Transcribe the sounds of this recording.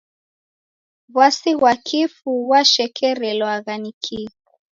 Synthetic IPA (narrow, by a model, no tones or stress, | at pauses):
βwasiɣwakʰifuwaʃɛkʰɛɾɛlwaɣanikʰiɣ